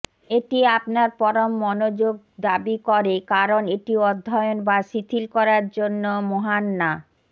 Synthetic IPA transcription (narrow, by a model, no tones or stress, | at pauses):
eʈiapnaɾpɔɾomːɔnod͡ʑoɡ̚ | d̪abikɔɾekaɾoneʈiɔd̪ʱːɔjonbaʃit̪ʰilkɔɾaɾd͡ʑonːomoɦanːa